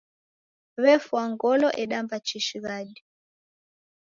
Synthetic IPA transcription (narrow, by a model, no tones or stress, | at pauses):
βɛfwaŋɡɔlɔʔɛɗambat͡ʃiʃiɣaɗi